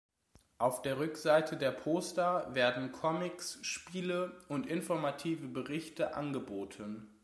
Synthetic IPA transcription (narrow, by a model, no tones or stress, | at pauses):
ʔaʊfd̥eːɐʁ̞ʏkz̥aɪtʰədeːɐpʰoːstɐveːɐdn̩kʰɔmɪksʃpiːləʊntʔɪnfɔɐmatʰiːvəbəʁɪçtʰəʔa̰nɡəboːtʰən